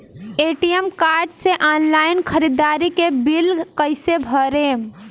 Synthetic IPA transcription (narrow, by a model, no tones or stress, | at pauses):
eʈijemkaɾɖseʔanlainkʰəɾid̪aɾikebilkəɪsebʱəɾem